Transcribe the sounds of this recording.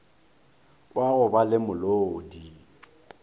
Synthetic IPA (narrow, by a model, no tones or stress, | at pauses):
waɣʊbalɪmʊlodi